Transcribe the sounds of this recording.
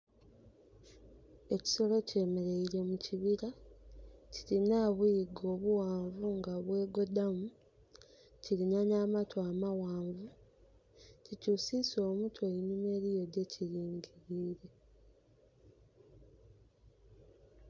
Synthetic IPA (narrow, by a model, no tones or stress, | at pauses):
e̞ci̥so̞lo̞ce̞ːmeɾe̞iɾe̞muciβiɾa | ciɾinaβuiɡo̞ːβuwaːɱvuŋɡaβwe̞ːɡo̞damu | ciɾinanaːmatʰoamawaːɱvu | cicuːsiso̞ːmutʰweinume̞ɾijo̞de̞cʰiɾiːŋɡiɾiːɾe̞